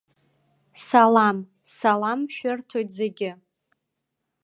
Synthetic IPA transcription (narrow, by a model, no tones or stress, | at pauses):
salam | salamʃᶣʊrtʰojtʼzeɡʲɪ